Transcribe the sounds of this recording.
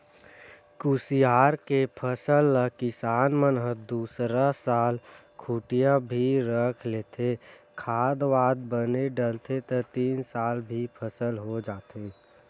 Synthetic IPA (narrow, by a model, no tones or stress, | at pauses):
kuːsijaːɾkepʰəsəlːəkɪsaːnmənɦəd̪uːsɾasaːl | kʰuːʈijabʱiɾəkʰleːt̪ʰe | kʰaːd̪ʋaːd̪̚bəneɖəlt̪ʰet̪ət̪iːnsaːlbʱipʰəsəlɦod͡ʒaːt̪eː